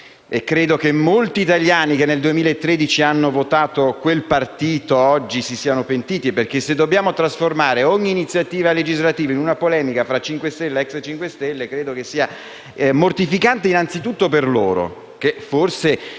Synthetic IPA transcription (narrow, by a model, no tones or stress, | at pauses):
ekːɾeːd̪okemːolt̪iːt̪aʎjaːnikenːeld̪uemiːlaet̪ːɾed̪it͡ʃianːovot̪aːt̪okwelpart̪iːt̪oɔd͡ʒːisisiːanopent̪iːt̪iperk̟esːed̪ːobjaːmot̪ɾasformaːɾeɔɲːiːnit̪sjat̪iːvaled͡ʒizlat̪iːvainunapolɛːmikafɾat͡ʃːiŋkwest̪ɛlːeɛkset͡ʃːiŋkwest̪ɛlːekɾeːd̪okesːiːa | mort̪ifikant̪einant̪sit̪ut̪ːoperlo̰ːɾo̰ | keforse